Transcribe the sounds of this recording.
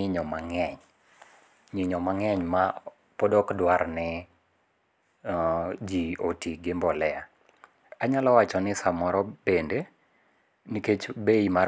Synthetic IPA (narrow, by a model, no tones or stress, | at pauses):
ɪɲɔmaŋɛɲ | ɲɪɲɔmaŋɛɲma | pɔdɔkdwaɾnɛ | d͡ʒiotiɡɪmbɔlɛa | aɲalɔwat͡ʃɔnɪsamɔɾɔbende | niket͡ʃbeima